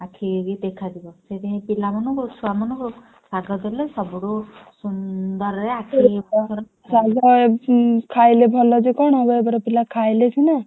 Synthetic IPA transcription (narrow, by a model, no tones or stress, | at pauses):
akʰiɡid̪ekʰad̪ibɔset̪eɦẽpilamɔnɔ̃kuɾusuamɔnɔ̃ŋkɾu | saɡɔt̪elesɔbuɾusund̪ɔɾɾeakʰibɔɾ | saɡɔ | kʰajlebʱɔlɔd͡ʒekɔɽ̃ɔɡɔebɔɾɔpilakʰajlet̪ʰina